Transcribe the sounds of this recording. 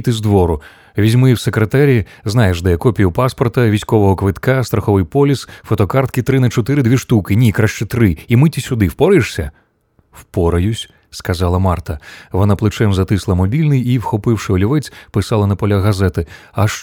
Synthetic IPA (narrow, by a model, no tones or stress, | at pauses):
t̪ɪzd̪ʋɔɾʊ | ʋʲizʲmɪwsekɾet̪ɛɾʲi | znɑjeʒd̪ɛkɔpʲijʊpɑspɔrt̪ɐʋʲijsʲkɔʋɔɦɔkʋɪt̪kɑst̪ɾɐxɔʋɪjpɔlʲisfɔt̪ɔkɑrt̪kɪt̪ɾɪnɐt͡ʃɔt̪ɪɾɪd̪ʲʋʲiʃt̪ukɪnʲikɾaʃt͡ʃɛt̪ɾɪimɪtʲisʲʊd̪ɪwpɔɾɪʂsʲɐ | wpɔɾɐjʊsʲ | skɐzɑlˠɐmɑrt̪ɐʋɔnaplˠɪt͡ʃɛmzɐt̪ɪslˠɐmɔbʲilʲnɪjiwxɔpɪwʂɪɔlʲiʋɛt͡sʲpɪsɑlˠɐnɐpɔlʲaɣɐzɛt̪ɪ | ɐʃ